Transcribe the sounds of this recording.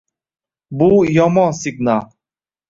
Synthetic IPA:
bujɔmɑ̃siɡna

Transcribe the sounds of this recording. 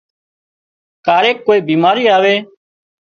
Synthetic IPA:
kaːɾeːkːoːiːbiːmaːɾiːaːʋeː

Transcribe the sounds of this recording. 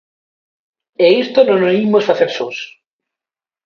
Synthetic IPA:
eist̪ononoimosfaθeɾsos

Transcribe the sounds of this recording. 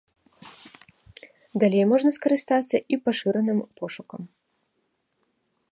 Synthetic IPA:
d̪alʲejmɔʐnɐskɐɾɨst̪at̪sːɐʔipaʂɨɾɐnɨmpɔʂukɐm

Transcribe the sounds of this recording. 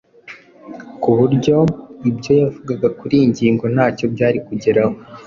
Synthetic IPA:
kuβuɾɟo̞ibɟo̞javuɡaɡakuɾiɲɟiːŋɡo̞n̥aːco̞bɟaːɾikuɟeɾaho̞

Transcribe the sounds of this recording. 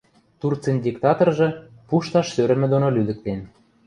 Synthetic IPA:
t̪urt͡senʲdʲikt̪ɑt̪orʒɤ̆puʃt̪ɑʃsøɾə̆mɘ̆d̪onolyd̪ə̆k̚t̪en

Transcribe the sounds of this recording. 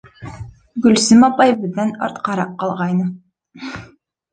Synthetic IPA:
ɡʉlsɘmɑpɑjbɘðænɑ̰ɾt̪qɑɾɑqqːɑlˠʁɑjnɤ

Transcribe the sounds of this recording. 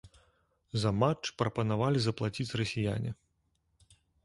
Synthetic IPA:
zɐmat͡ʂpɾɐpɐnavalʲizɐplˠat͡sʲit͡sʲrɐsʲija̰nʲḭ

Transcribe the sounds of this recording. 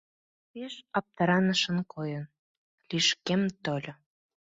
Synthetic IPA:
peʃɑp̚t̪əɾɑnəʃə̆nkʰojən | liʃkemt̪olʲo

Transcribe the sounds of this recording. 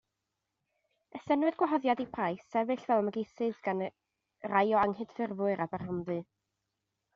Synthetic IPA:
əsɛnwɛdɡ̥waɦɔðjadipʰrajsɛvɨɬv̥ɛlˠaməɡejθɨðɡ̥an | rajɔaŋhɨd̥fɪrvʊɨɾabarhanðɨ

